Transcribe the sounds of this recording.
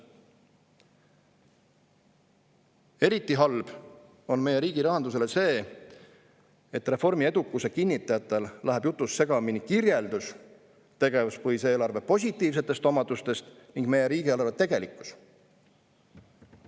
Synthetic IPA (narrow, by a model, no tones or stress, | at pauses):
e̞ɾit̪ːˑiɦɑlb̥ | o̞nme̞je̞ɾiːɡ̥iɾɑɦɑnd̪use̞le̞se̞ː | e̞t̪re̞fo̞rmied̪ukˑːusekinʲːit̪ːˑɑjɑt̪ːˑe̞llæɦeb̥jut̪ːˑusse̞ɡ̥ɑminikirje̞ld̪̥us | t̪e̞ɡ̥e̞vuspɤhise̞ːlɑrve̞po̞sʲit̪ˑːiːvs̬e̞t̪ːˑe̞st̪o̞mɑd̪ust̪e̞st̪niŋɡ̥me̞je̞ɾiːɡ̥ielɑrvet̪e̞ɡ̥e̞likːˑu̥s